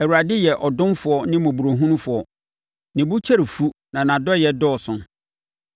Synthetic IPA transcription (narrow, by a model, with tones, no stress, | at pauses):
ɛ˨wu˨ɾa˨dɪ˦jɛ˨ʔɔ˨dʊ̃˦nfʊ˨ɔ˦nɪ̃˦mõ˨bu˨ɾo˨ɦũ˦nʊ̃˦fʊ˨ɔ˨ | nɪ̃˨bu˦t͡ɕʰɛ˦ɾi˨fu˦nã˨nã˨dɔ˦jɛ˨dɔ˦ɔ˨sʊ̃˦